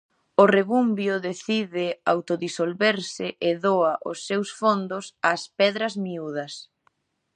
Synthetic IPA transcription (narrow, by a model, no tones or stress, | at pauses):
ʊreβumbjʊðeθiðɪawt̪oðisolβeɾsɪʔɪðoɐʔʊ̰sːewsfond̪ʊsaspɛðɾɐzmiuð̞ɐs